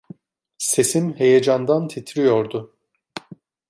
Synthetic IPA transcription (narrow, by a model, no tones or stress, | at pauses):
se̞simhe̞jed͡ʒand̪ant̪ʰet̪ʰɾijo̞ɾd̪ʊ